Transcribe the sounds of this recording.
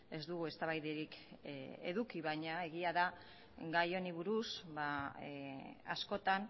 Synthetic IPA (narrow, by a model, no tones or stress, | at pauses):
e̞zd̪uɣue̞st̪aβajðeɾik | e̞̰ðukiβajɲae̞ɣiaða | ɡajo̞niβuɾusβa | asko̞t̪an